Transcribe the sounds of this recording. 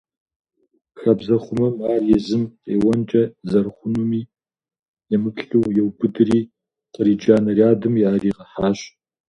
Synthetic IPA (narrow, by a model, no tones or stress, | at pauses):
xɐbzɐχʷʊmɐmaːrjɛzɨmeːwɐnt͡ʃʼɐzɐrχʷʊnumiː | jɛmɨpɬɬuwjɛwbɨdɨɾiː | qʼəɾiːd͡ʒaːnɐrjaːdɨmjaːriːqɐħaːɕ